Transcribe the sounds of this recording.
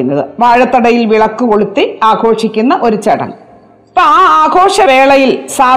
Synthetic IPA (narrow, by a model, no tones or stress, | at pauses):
unːɐðɨʋaːɻɐt̪ːɐɽɐjilʋiɭɐkːuko̞ɭut̪ːiaːɡo̞ːʂikʲːunːɐʔo̞ɾut͡ɕɐɽɐ̰ŋ | pːɐːaːaːɡʱo̞ːʂɐʋe̞ːɭɐjilsaː